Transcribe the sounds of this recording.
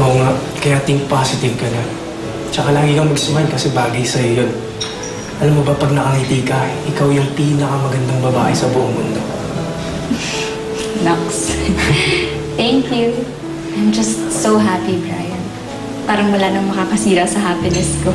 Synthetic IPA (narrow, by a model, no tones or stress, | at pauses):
ʔoːŋaʔ | kɐjaːt̪ɪŋpasɪt̪ɪvkɐnɐ | t͡ʃɐkalaːɡɪkɐmɐɡsʊmɐhankɐsɛbaːɡɐjsɐjojon | ʔɐlamːobɐpɐɡ̚nɐkɐhit̪ikaʔʔɪkawjʊŋpiːnɐkɐmɐɡɐnd̪aŋbɐbaːʔɛsɐbʊʔoŋmʊnd̪o̞ | nɐks | t̪ɛŋkju | ʔajmd͡ʒɐst̪sowɦapibɹa̰jɐn | paːɾɐŋmʊlaːnɐŋmɐkaːkɐsiːɾɐsɐɦaːpɪnɛsko